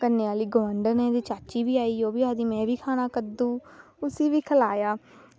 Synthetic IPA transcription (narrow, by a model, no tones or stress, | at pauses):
kənːeaːliːɡomãɳɖəɾnẽːd̪iːt͡ʃaːt͡ʃiːʋiːaːiːoːbiːaːd̪iːmɛ̃ːʋiːkʰaːnaːkəd̪ũː | ʊsiːʋiːkʰəlaːjaː